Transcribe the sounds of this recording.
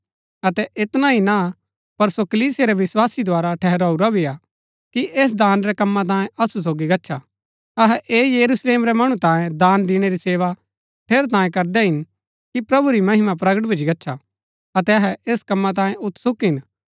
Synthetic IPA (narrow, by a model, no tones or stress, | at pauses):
ɐt̪ɛʔɪt̪naɦina | pɐɾsokɐliːsijeɾɛʋɪswaːsid̪ʱaːɾaʈʰɛɦɾaːuɾabʱia | kiʔeːs̬d̪aːnɾɛkɐmːãt̪̬ãːjẽʔɐsus̬oːɡiɡɐtːʃʰa | ɐɦɛʔeːjɐɾusleːmɾɛmɐɽ̃ũt̪ãːjẽd̪aːnd̪ɪɽ̃eɾiseːʋa | ʈʰeːɾt̪ãːjẽkɐɾd̪ɛɦɪn | kipɾɐbuɾimɐɦɪmap̬ɾɐɡəʈbʱid͡ʒʱiɡɐtːʃʰa | ɐt̪ɛɐɦɛeːskɐmːãt̪̬ãːjẽʊt̪ʰsʊkɦɪn